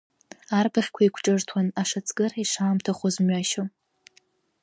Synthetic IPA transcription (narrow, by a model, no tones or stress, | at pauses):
arbaχʲkʷʰaikʷʰʈ͡ʂʼɨrtʰwanaʂat͡sʰʼɡɨraiʂaːmtʰaχʷozmɥaʃo